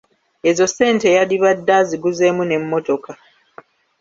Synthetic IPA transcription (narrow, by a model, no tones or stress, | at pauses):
e̞zo̞se̞ːnte̞jaliβadːaziɡuze̞ːmune̞mːo̞to̞ka